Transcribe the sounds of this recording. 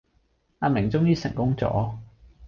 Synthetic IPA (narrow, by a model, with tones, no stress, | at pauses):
aː˧mɪ˨˩ŋt͡sʊ˥ŋjiː˥sɪ˨˩ŋkʊ˥ŋt͡sɔ̰ː˨˥